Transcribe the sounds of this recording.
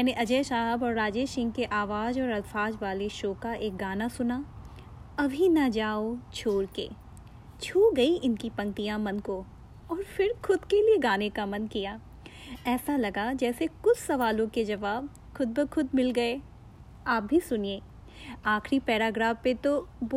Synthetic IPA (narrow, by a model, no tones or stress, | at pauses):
ɛːneʔɐd͡ʒeːʃaːɦbɔːɾːaːd͡ʒeːʃɪ̃ŋɡkeʔaːʋaːd͡ʒɔːɾɐlfaːd͡ʒʋaːleʃoːkaʔeːk̚ɡaːnasʊna | ɐbʱinɐd͡ʒaːot͡ʃʰoːɾkḛː | t͡ʃʰuːɡɐiʔɪnkipɐ̃ŋt̪ijãmɐnko | ɔːɾfɪɾxʊd̪kelieɡaːnekamɐnkijaː | ɛːsalɐɡad͡ʒɛːsekʊt͡ʃʰsɐʋaːlõked͡ʒɐʋaːb̚ | xʊd̪̚bəxʰʊd̪mɪlɡɐe | aːp̚bʱisʊnieː | aːxʰɾipɛːɾaːɡɾaːfpet̪ob